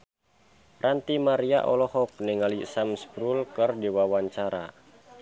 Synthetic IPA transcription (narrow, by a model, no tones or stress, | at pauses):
rant̪imaɾia̰ʔɔlɔhɔk̚nɛŋalisamsbɾulkərdiwawaɲt͡ʃaɾa̰